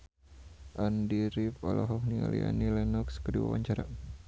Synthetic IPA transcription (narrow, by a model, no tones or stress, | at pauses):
ʔandiɾifɔlɔɦɔk̚nialianilɛnɔkskədiwawaɲt͡ʃaɾa